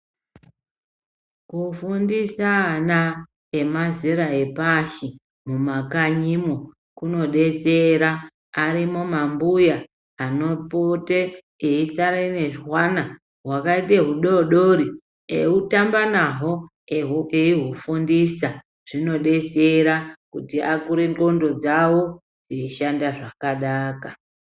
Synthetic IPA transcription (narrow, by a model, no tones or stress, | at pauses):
kufundisana | emaziɾae̞paʃi | mumakaɲimo | kuno̞ɗe̞seɾaː | ɾimomambujaː | no̞pote | eisaɾeineʐɦwana | ɦwakaiteɦuɗo̞ɗoɾi | eutambanaɦo̞ | ɦeiɦufundisa | ʐ̥ino̞ɗe̞seɾakutiakuɾeŋɡo̞ndo̞d͡zawo | d͡zeiʃandaʐakaɗaːka